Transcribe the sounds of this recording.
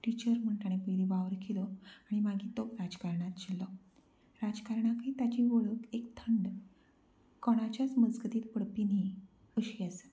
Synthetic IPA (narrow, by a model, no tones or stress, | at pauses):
ʈit͡ɕəɾm̤əɳʈaɽ̃epəjlibaʋɾkʰilɔaɽ̃imaɡʱiːt̪okɾad͡zkaɾɳat̪d͡ʑilːɔ | ɾad͡zkaɾɳakiːt̪at͡ɕiʋoɭəkekt̪ʰəɳɖ | kɔɽ̃at͡ɕjat͡sməd͡zɡət̪iːt̪pəɽpini | əɕiase̥